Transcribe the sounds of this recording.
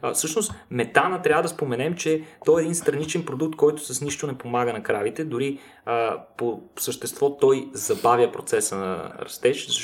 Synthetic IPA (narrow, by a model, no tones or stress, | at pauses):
fsɤʃnost̪mɛt̪anət̪ɾʲavəd̪ɐspomɛnɛmt͡ʃɛt̪ɔɛːd̪inst̪ɾɐnit͡ʃɛnpɾod̪uk̚t̪̚kɔjt̪ʊ̥sɐsniʃt̪ʊnɛpomaɡənɐkɾavit̪ɛd̪ʊɾi | posəʃt̪ɛst̪vɔt̪ɔjzɐbavjəpɾot̪sɛsənɐ̰ɾɐ̰st̪ɛʃzɐ